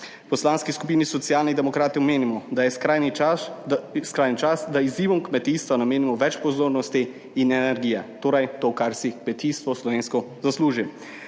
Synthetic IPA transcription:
pɔslaːnskiskupiːnisɔt̪sijaːlnid̪ɛmɔkɾaːt̪iɔmeːnimɔd̪jɛskɾajni | skɾaːjnit͡ʃasd̪aiziːʋɔmkmɛt̪iːst̪ʋanameːnimɔʋɛt͡ʃpɔzoːɾnɔst̪iː | nɛnɛɾɡiːjɛt̪oːɾajt̪okaɾsikmɛt̪ist̪ʋɔslɔʋeːnskɔzasluːʒim

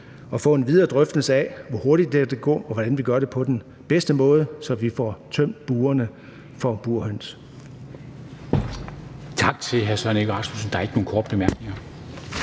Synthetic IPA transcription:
ɒ̽fɔ̰̽ːe̝nʋið̞ˠɐd̥ʁœfd̥əl̩səɛʋɒho̝ɐɾ̥id̥̚ːeæd̥eɡ̥ɔ̰ːɒʋɒd̥ænʋiɡ̥ɶɐɾe̝pʰɒ̽d̥en | b̥esd̥əmɔ̽ːð̞ˠəsɒ̽ʋifɒ̰t͡sʰøm̰d̥̚b̥uːɐnə | fɒ̽b̥uɐ̰høn̰s | t͡sʰɑ̈ɡ̥̚t͡sʰe̝ɦæɐsœɐnəeɡ̥ʁɑ̈smusn̩d̥ɑ̈æɐe̝ɡ̥əno̝ːn̩kʰɒ̰ːd̥əb̥e̝mæɐɡ̥ne̝ŋɐ

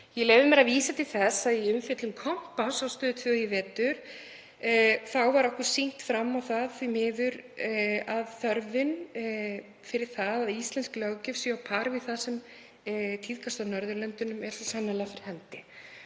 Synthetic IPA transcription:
jɛlɛːvɪmɛɾaviːsat̪ʰɪlθɛsaðiʏmfɛt̪lʏmkʰɔm̥pasawst̪œːðɪt̪ʰvœɣivɛːt̪ʏɾ̥ | θawvaɾɔhkʏɾ̥siŋ̥t̪fɾamːawθaðθvimɪːðʏɾ | aðθœɾvɪn | fɪɾɪɾ̥θaðaðist̪lɛnsklawcɪfsjʏawpʰaɾvɪθaðsɛm | t̪ʰiðkʰast̪anœɾðʏɾlɛnt̪ʏnʏmɛɾ̥sɔsanːalɛɣafɪɾɪ̥ɾ̥hɛnt̪ɪ

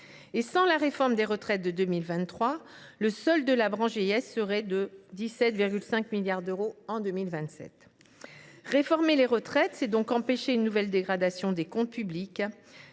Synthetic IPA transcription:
esɑ̃laʁefɔʁmd̪eʁət̪χɛt̪̚d̪əd̪ømilvɛ̃t̪ːχwa | ləsɔld̪əlabʁɑ̃ʒeɛsːəʁɛd̪əd̪isɛt̪viʁɡʲylsɛ̃kmiljaʁd̪øʁoɑ̃d̪ømilvɛ̃t̪sɛ̰t̪ | ʁefɔʁmeleʁət̪χɛt̪sɛd̪ɔ̃kɑ̃peʃeynːuvɛld̪eɡʁad̪asjɔ̃d̪ekɔ̃t̪̚pyblik

